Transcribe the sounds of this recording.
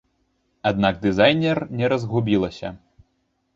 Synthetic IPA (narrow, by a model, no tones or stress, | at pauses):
ad̪̚naɡ̚d̪ɨzajnʲɛrnʲɛɾɐzɣubʲilˠɐsʲɐ̰